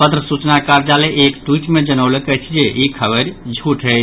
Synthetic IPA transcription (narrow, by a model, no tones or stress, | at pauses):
pət̪ɾəsut͡ʃnakaɾd͡ʒaleʔekʈwiʈmed͡ʒənəʊlekət͡ʃʰd͡ʒeikʰəbəɾd͡ʒʱuʈɦət͡ʃʰ